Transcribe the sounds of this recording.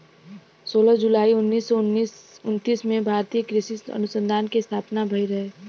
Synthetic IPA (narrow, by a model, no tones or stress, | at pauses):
soːlad͡ʒʊlaːiʊnːiːsːɔnisʊnt̪iːsmẽbʱaːɾt̪iːjəkɾisisɐ̰nʊsə̃nd̪ʱaːnkest̪ʰaːpnabʱɐiɾɐɦeː